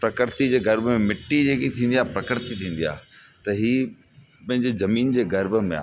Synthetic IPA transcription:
pɾɐkəɾt̪id͡ʑeːɡɐɾbmẽmɪʈːid͡ʑeːkit̪ʰĩːn̆d̪iaːɦpɾɐkəɾt̪it̪ʰĩːn̆d̪ija̰ːɦ | t̪ɐɦiː | pɐ̃ɦɪ̃ɲd͡ʑezɐmiːnd͡ʑeːɡɐɾbə̆mḛ̃a̰

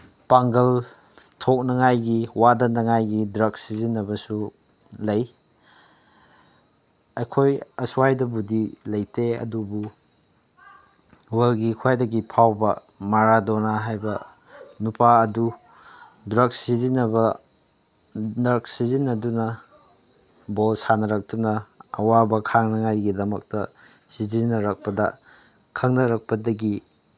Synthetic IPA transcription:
paŋɡɐl | tʰok̚nɐŋajɡiwadɐnɐŋajɡidɾɐk̚sizinːɐbɐsu | lɐj | ɐjkʰojɐswajdɐbudilɐjteɐ̰dubu | welɡikʰwajdɐɡipʰawbɐ̰ | maɾadonaɦajbɐ | nupʰaɐdu | dɾɐk̚sizinɐbɐ | nɾɐk̚sizinːɐdunɐ | bolsanɐɾɐk̚tunɐɐ̰wabɐkʰaŋnɐŋajɡidɐmɐk̚tɐ | sizinɐɾɐk̚pɐdɐ̰ | kʰɐŋnɐɾɐk̚pɐdɐɡi

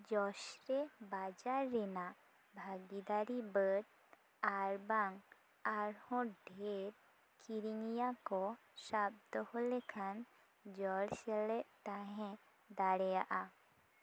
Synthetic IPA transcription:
d͡ʒɔʃɾebad͡ʒaɾːɛnaʔ | bʱaɡid̪aɾibəʈ̚ | aɾbaŋ | aɾhɔ̃ɖʱeɾ | kiɾiŋijakɔ | sabd̪ɔhɔlɛkʰan | d͡ʒɔɽsɛlɛʔt̪aɦɛ̃ | d̪aɽɛjaʔa

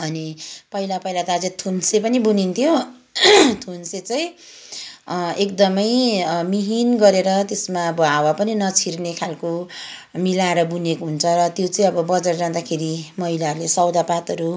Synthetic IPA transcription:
ʌnipʌɦilapʌilat̪ad͡zet̪ʰunsepʌnibunint̪ʰjo | t̪ʰunset͡sʌj̃ | ekd̪ʌmʌjmiɦinɡʌɾeɾʌt̪esmaʌbʌawapʌninʌt͡sʰirnekʰalkomilaeɾʌbunekoɦunt͡sʰʌɾʌt̪jot͡sʌĩʌbʌbʌd͡zʌrd͡zãnd̪akʰeɾimʌɦilaɦʌɾulesʌwd̪apat̪ʌɾu

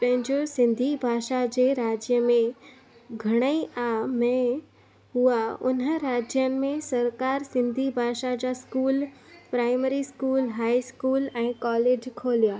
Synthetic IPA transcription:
pɐ̃ɦɪ̃ɲd͡ʑosɪ̃nd̪ʱibʱaːʃad͡ʑeːɾaːd͡ʑjəmẽ | ɡʱɐɽ̃əiamɛ̃ː | ɦuaʊ̰nəɾaːd͡ʑjənɪ̆mẽsɐɾkaːɾsɪ̃nd̪ʱibʱaːʃad͡ʑaskuːlpɾaːɪmeɾiskuːlɦaːiskuːlɛ̃ːkɔːleːd͡ʑkʰoːlijaː

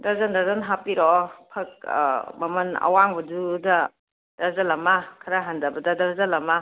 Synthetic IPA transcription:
dɐzɐndazɐnɦapiɾɔpʰɐk̚mɐmɐnɐ̰waŋbɐdudɐ | dɐzɐlɐmɐkʰɐɾaɦandɐbɐdɐdɐɾzɐlɐma

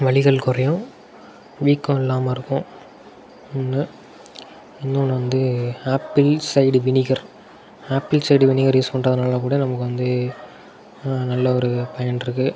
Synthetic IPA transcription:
ʋɐɭɪɣɐɭkʊɾɐjʊ̃ | ʋiːkːʊ̃ɪlːaːmɐɪɾɯkːʊ̃ | ɪnːɯ | ɪnːɐ̃nʋɐnd̪ɯaːpːɪlsɐɪɖʋɪnɪɣɐɾ | aːpːɪlsɐɪɽʋɪnɪɣɐɾjuːspɐɳrɐðɐnaːlɐkuːɽɐnɐmɐkːɯʋɐnd̪ɯ | nɐlːɐɔɾɯpɐjɐnɪɾɯkːɯ

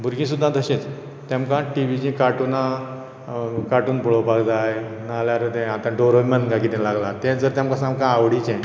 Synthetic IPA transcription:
bʱuɾɡĩs̬ud̪ʱːãd̪ʱəɕẽt͡s | t̪jamkãʈiʋid͡ʑĩkaʈunã | kaʈuːnbɔɭopaɡd͡zajnaljaɾət̪ɛ̃at̪ãɖoɾomənɡaɡit̪ẽlaɡlat̪ɛ̃d͡zəɾt̪jamkãsamkãːwɽit͡ɕɛ̃

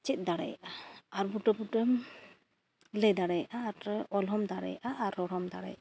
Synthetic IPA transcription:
t͡ʃɛt̪̚ˀd̪aɽɛ̰jʔaaɾbuʈɔbuʈɛm | lɛd̪aɽɛjʔaːtɛʔɔlɦɔmd̪aɽɛ̰jʔaʔːɾɔɾɔmd̪a̰ɽɛ̰j

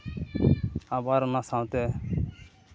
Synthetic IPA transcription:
abaɾnasãwt̪e

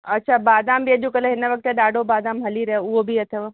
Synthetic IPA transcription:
ɐtːʃʰabaːd̪aːmbiəd̪jũkəleɦɪnəʋək̚t̪eɖaːɖʱobaːd̪aːmɦɐliɾɐɦeʊɦobʱiət̪ʰeʋo

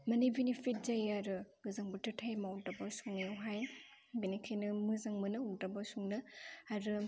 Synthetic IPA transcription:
mɐnibinipʰit̚zajaɾɯɡɯzaŋbɯtɯtʰajmawdabasuŋjawɦaj | binikʰajnɯmɯzaŋmɯnɯudabasuŋnɯaɾɯ

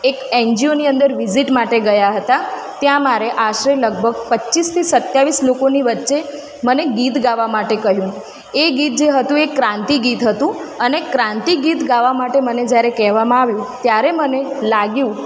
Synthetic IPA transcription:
ekɛɲd͡ʒioniənd̪əɾʋiziʈmaʈeɡəjaɦət̪a | t̪jãmaɾeʔaʃɾeləɡ̚bʱəɡ̚pət͡ʃist̪ʰisət̪jaʋislokoniʋətːʃe | məneɡit̪ɡaʋamaʈekəɦjũ | eɡit̪̚d͡ʒeɦət̪ũekːɾãnt̪iɡit̪ɦət̪ũənekɾãnt̪iɡit̪ɡaʋamaʈeməned͡ʒjaɾekɛɦʋamãaʋjũt̪jaɾemənelaɡjũ

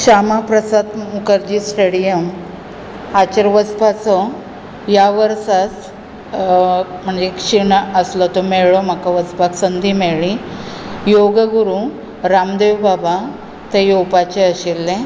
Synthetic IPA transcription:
ɕamapɾəsad̪mukəɾd͡ʑisʈeɽijəm | at͡ɕəɾʋəspat͡sɔ | jaʋəɾsas | m̤əɳd͡zekʂiɳəslɔt̪ɔmeɭɔm̤akaʋəspaksənd̪ʱimeɭĩ | joɡəɡuɾu | ɾamd̪ewbaba | t̪ejopat͡ɕeəɕilːẽ

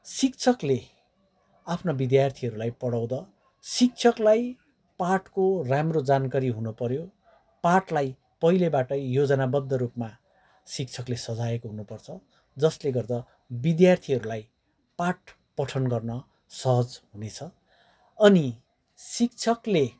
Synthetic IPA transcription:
sik̚t͡sʰʌkle | apʰnobid̪jart̪ʰiɦʌɾulajpʌɽaw̃d̪ʌ | sik̚t͡sʰʌklaj | parʈkoramrod͡zankaɾiɦunupʌɾjo | parʈlaj | pʌɦilebaʈʌjod͡zʌnabʌd̪ʱːʌɾupma | sik̚t͡sʰʌklesʌd͡zaekoɦunupʌrt͡sʰʌ | d͡zʌsleɡʌrd̪ʌ | bid̪jart̪ʰiɦʌɾulaj | paʈ | pʌʈʰʌnɡʌrnʌ | sʌɦʌd͡zɦunet͡sʰʌː | ni | sik̚t͡sʰʌkle

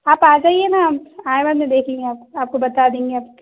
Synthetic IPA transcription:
aːpaːd͡ʒaːiɛnaːpãːẽbad̪mẽd̪eːkʰẽːŋɡeaːpaːp̚kobɐt̪aːd̪ẽːŋɡeaːp̚

